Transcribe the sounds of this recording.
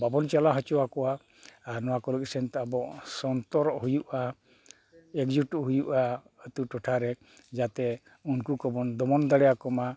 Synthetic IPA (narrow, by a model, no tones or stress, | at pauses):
babɔnt͡ʃalaɦɔt͡ʃɔwakɔwaː | ɾnɔwakɔləksɛnt̪aabɔʔsɔnt̪ɔɾɔʔɦujuʔa | ɛkd͡ʒuʈɔɦujuʔa | ət̪uʈɔʈʰaɾɛ | d͡ʒat̪ɛ | unkukɔbɔnd̪ɔmɔnd̪aɽɛjakɔma